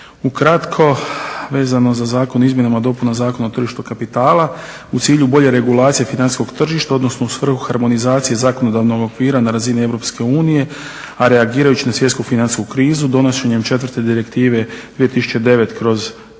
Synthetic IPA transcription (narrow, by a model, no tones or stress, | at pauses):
ukɾat̪kʰo̞ʋe̞ːzano̞zazaːkonizmje̞namad̪o̞punazaːko̞naot̪r̩ʒiʃt̪ukapit̪aːlˠa | ut̪siːʎubo̞ʎe̞ɾe̞ɡulˠaːt̪sije̞finansi̥skoɡt̪r̩ʒiʃt̪ao̞d̪no̞snousʋr̩xuxaɾmo̞nizaːt̪sije̞zaːko̞nod̪aʋno̞ɡo̞kʋiːɾanaɾazinie̞ʋɾo̞pske̞uːnije̞ | aɾe̞aɡiːɾajut͡ɕinasʋje̞t̪kufinansi̥skukɾiːzud̪o̞noʃe̞ɲe̞mt͡ʃe̞t̪ʋər̩t̪e̞d̪iɾekt̪iːʋe̞d̪̥ʋie̞t̪isu̥t͡ʃe̞d̪e̞ʋe̞t̪kɾo̞z